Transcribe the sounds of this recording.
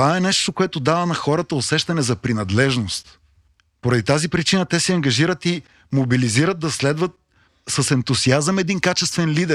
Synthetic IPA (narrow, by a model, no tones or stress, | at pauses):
t̪vaɛnɛʃt̪okoɛt̪od̪avənɐxɔɾət̪əosɛʃt̪ɐnɛzɐpɾinɐd̪lɛʒnost̪ | poɾɐd̪it̪azipɾit͡ʃinət̪ɛsɛɐŋɡɐʒiɾət̪i | mobiliziɾət̪̚d̪ɐslɛd̪vət̪̚ | səsɛnt̪ʊziazəmɛd̪inkat͡ʃɛst̪vɛnlid̪ɛ